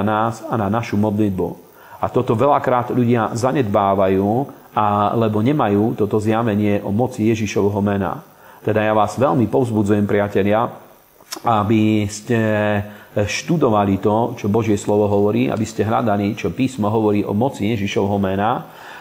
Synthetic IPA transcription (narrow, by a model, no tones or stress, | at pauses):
naːsananaʃumɔd̪lid̪̚bṵ | at̪ɔt̪ɔʋɛʎakɾaːd̪ʎuɟɪazaɲɛd̪baːʋajuː | alɛbɔɲɛmajuːt̪ɔt̪ɔzjaʋɛɲɪɛʔɔmɔt͡sijɛʒiʃɔʋɦɔmɛna̰ | t̪ɛd̪ajaʋaːzʋɛʎmipɔʊzbud͡zujɛmpɾɪacɛʎɪa | abiscɛ | ʃt̪ud̪ɔʋalit̪ɔt͡ʃɔbɔʒɪɛslɔʋɔɦɔʋɔɾiːʔa̰biscɛɦla̰d̪alit͡ʃɔpiːsmɔɦɔʋɔɾiːʔɔmɔt͡sijɛʒiʃɔʋɦɔmɛna